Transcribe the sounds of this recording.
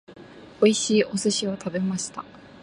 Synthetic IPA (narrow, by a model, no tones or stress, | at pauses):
o̞iɕiːʔo̞sɨɕiot̪ʰabe̞maɕi̥t̪a